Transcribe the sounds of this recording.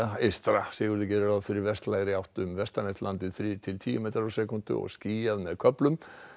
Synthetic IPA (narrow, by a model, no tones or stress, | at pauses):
aest̪ɾasɪːɣʏɾðɪcɛːɾʏɾaðfɪɾɪɾvɛst̪laːjɣɾɪawht̪ʏmvɛst̪anɛht̪lant̪ɪðfɾit̪ʰɪlt̪ʰiːjʏmeːt̪aɾasɛkʏnt̪ʏ̰ɔ̰ɣsciːjaðmɛðkʰœplʏm